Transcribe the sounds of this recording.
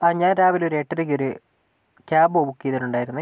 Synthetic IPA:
aɲaːnɾaːʋiloɾe̞ːʈːɐɾik̬ʲːoɾu | kʲaːbobukːijɐðinuɳɖaːjiɾunːɨ

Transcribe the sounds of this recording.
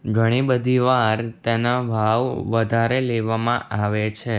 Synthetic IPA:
ɡʱəɽ̃ibəd̪ʱiʋaɾt̪enaʋʱaʋʋəd̪ʱaɾeleʋamã̰ʔaʋet͡ʃʰe

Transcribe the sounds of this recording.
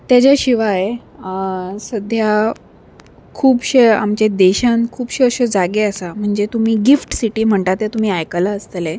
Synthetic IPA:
t̪jat͡ɕjaɕiʋae | səd̪ʱja | kʰuːpɕeamt͡ɕed̪eɕãnkʰuːbɕeəɕed͡zaɡeəsam̤əɳd͡zet̪umiːɡifʈsiʈiːm̤əɳt̪at̪jet̪um̤iːajkəlaəst̪əle

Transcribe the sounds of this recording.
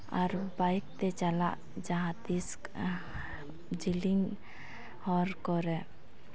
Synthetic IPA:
a̰ɾbajk̚t̪ɛt͡ʃalaʔ | d͡ʒaɦãt̪isk | d͡ʒiliŋ | hɔɾkɔɾɛ

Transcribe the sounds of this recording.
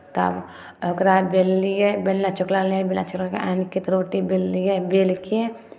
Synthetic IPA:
t̪ɐ̰b | əkɾabelːijebelːat͡ʃʊklalebelːa̰t͡ʃʊklakeankit̪ɾoːʈibelːijebelke

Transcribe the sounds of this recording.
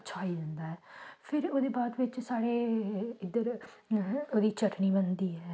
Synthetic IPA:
t͡ʃʰaːiːd͡ʒ̪ənd̪aːɦɛːpʰɪɾoːd̪eːbaːd̪ʋɪt͡ʃsaːɽeːɪd̪əɾ | oːd̪iːt͡ʃʰəʈniːbənd̪iːɛː

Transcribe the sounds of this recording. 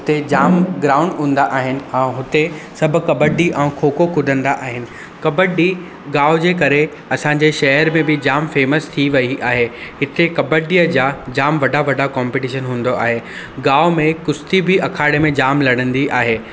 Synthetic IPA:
ɦʊt̪ed͡ʑaːmɡɾaːʊ̃ɳɖɦũːn̆d̪aʔaːɦɪnɪ̆ɛ̃ːɦʊt̪esɐbʱʊ̆kɐbəɖiʔɛ̃ːkʰoːkokʰʊd̪ʱə̃nd̪aʔaːɦɪnɪ̆ | kɐbəɖi | ɡaːʊd͡ʑeːk̬ɐɾe | ɐsãɲd͡ʑeʃɐɦəɾmẽbɪd͡ʑaːmfeːməst̪ʰiʋɐiʔaːɦeɦɪt̪ekɐbəɖiːəd͡ʑaːd͡ʑaːmʋɐɖʱaʋɐɖʱakɔ̃ːmpɪʈɪːʃənɦũːn̆d̪oʔa̰ːɦeː | ɡaːʊmẽkʊst̪ibɪɐkʰaːɪɽemẽd͡ʑaːmlɐɽə̃nd̪iʔaːɦeː

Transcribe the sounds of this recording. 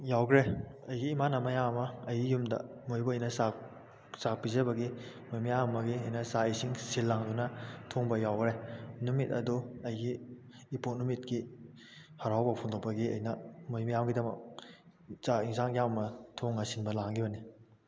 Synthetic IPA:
jawɡɾeɐjɡiːmanɐmɐjammɐɐjɡijumdɐ̰ | mojbuɐjnɐsak | sak̚pizɐbɐɡi | mojmajamɐmɐɡiɐjnɐsaisiŋsilːaŋdunɐtʰoŋbɐjawɡɾenumitɐ̰duɐjɡiː | ponumit̚ki | haɾawbɐpʰuŋdopɐɡiɐ̰jnɐmojmajamɡidɐmɐ̰k̚ | zaiŋsaŋjammɐtʰoŋːɐsinbɐlaŋɡibɐni

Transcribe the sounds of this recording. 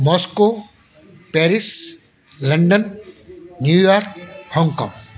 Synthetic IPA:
mɔːsko | pɛːɾɪs | lɐɳɖən | njuːjaːɾkhɔ̃ŋɡkɔ̰̃ːŋ

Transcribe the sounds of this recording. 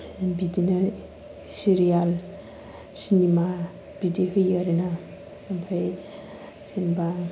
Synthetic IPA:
bidina | siɾijal | sinima | b̥ideɦɯjaɾena | abʰʱaj | sinba

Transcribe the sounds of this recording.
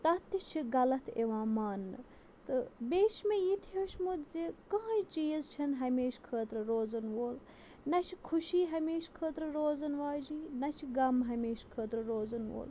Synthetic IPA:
t̪ɐt̪ːit͡ʃʰiɡɐlɐt̪ʰeʋãːmaːnːɨ | t̪ɨbʲeːʃmejit̪ʰjoːʃmut̪zikãːt͡ʃt͡ʃiːjɐzt͡ʃʰɐnɦɐmeːʃkʰəːt̪ɾɨɾoːzɐnʋoːl | nɐt͡ʃʰikʰuʃiːɦɐmeːʃkʰəːt̪ɾɨɾoːzɐnʋaːd͡ʒiːnɐt͡ʃʰiɡɐmɦɐmeːʃkʰəːt̪ɾɨɾoːzɐnʋo̰ːl

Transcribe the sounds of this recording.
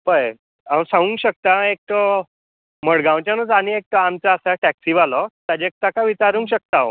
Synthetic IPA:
pəj | asãʋũːŋkɕək̚t̪aek̚ʈ̪ə | məɽɡãwt͡ɕjanut͡saniek̚ʈ̪əamt͡saːsaʈɛksiʋalɔt̪ad͡ʑek̚t̪akaʋit͡ɕaɾũːŋkɕək̚t̪aʋ

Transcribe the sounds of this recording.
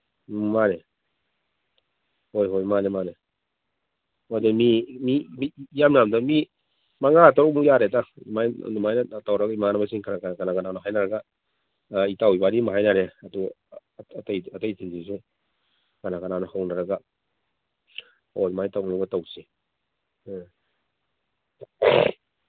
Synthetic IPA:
mane | ojɦojmanemane | ɔdamimimijamnamdami | maŋaataɾomujaɾetamaj̰dumajnatawɾaɡaimanabas̬iŋkʰanakaakanaɡananaɦajnaɾaɡa | itawibanimaɦajnaɾeadua | tajatajtʰinsis̬u | ɡ̥anakananahawnaɾaɡa | odumajtawŋlabatawse

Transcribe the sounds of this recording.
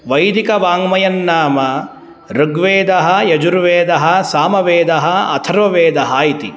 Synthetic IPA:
ʋɐjd̪ikɐʋaːŋmɐjɐnːaːmɐ | ɾuɡʋeːd̪ɐɦɐjɐd͡ʒuɾʋeːd̪ɐɦɐsaːmɐʋeːd̪ɐɦɐɐ̰t̪ʰɐɾʋɐʋeːd̪ɐɦaːjit̪i

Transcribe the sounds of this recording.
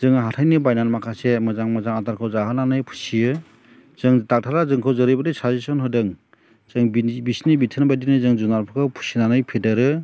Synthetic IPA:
zɯŋɦatʰajnɯbajnanmakʰasemɯzaŋmɯzaŋataɾkʰɯwzaɦɯnanɯjpʰu̥sijɯ | zɯŋdak̚tʰaɾazɯŋkʰɯwzɯɾɯjbadɯsazisɔnɦɯjdɯŋ | z̥ɯŋbbisnibitʰɯnbajdinɯzɯŋzunaɾpʰɯkʰɯpʰu̥sinanɯjpʰedɯɾɯ

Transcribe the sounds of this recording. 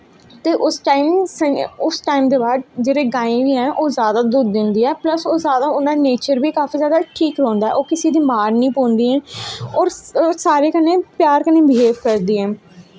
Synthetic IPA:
t̪eːʔʊsʈaːɪmsəʊsʈaːimd̪eːbaːd̪̚d͡ʒeːɽeːɡãːĩːʋiːɦɛ̃ːʔoːzjaːd̪aːd̪ʊd̪d͡ʒɪ̃nd̪iːɦɛːpləsoːzjaːd̪aːʊnaːneːt͡ʃəɾbiːkaːfiːzjaːd̪aːʈʰiːkɾɔ̃ːnd̪aːɛ̰ːʔoːkɪsiːd̪iːmaːɾnĩːpõːnd̪iːɦɛ̃ːɔːɾsaːɾeːkəneːpjaːɾkəneːbɪɦeːbkəɾd̪iːɦɛː

